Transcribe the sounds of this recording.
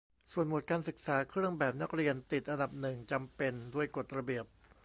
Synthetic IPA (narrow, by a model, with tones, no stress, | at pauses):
su˨˩ənmo˨˩t̪̚kaː˧nsɯ˨˩k̚saː˩˦kʰɾɯ˥˩əŋbɛː˨˩p̚na˦˥k̚ɾi˧ənt̪i˨˩t̪̚ʔa˧nda˨˩p̚nɯ˨˩ŋt͡ɕa˧mpe˧ndu˥˩əjko˨˩t̪̚ɾa˧bi˨˩əp̚